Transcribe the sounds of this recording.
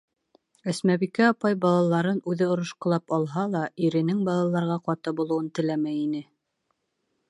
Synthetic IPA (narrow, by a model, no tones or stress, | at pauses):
ɘ̆smæβikæɑpɑjbɑlˠɑlˠɑɾɤnʉðɘŏɾŏʃqɤ̆lˠɑpɑlˠɦɑlˠɑiɾɘ̆nɘŋbɑlˠɑlˠɑɾʁɑqɑt̪ɤbulˠɤ̆wɤnt̪ɘ̆læmæjinɘ